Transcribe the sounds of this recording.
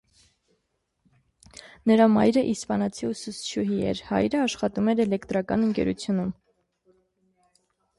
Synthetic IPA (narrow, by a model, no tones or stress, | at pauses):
nəɾɑmɑ̰jɾəʔispɑnɑt͡sʰiusust͡ʃʰuɦiɛ̰ɾhɑ̰jɾəɑʃχɑt̪umɛɾɛlɛkt̪ɾɑkɑ̰nəŋkɛ̰ɾṵt͡sʰjunum